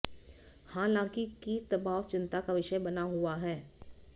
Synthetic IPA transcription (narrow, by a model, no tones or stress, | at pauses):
hãːlãːŋkikit̪ɐbaːʋt͡ʃɪ̃nt̪akaʋɪʃəbɐnaɦʊaɦɛː